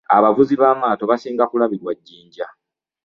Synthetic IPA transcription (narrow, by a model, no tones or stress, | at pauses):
a̰βavuziβaːmaːto̞βasiːŋɡakulaβiɾwaɟːiːɲɟa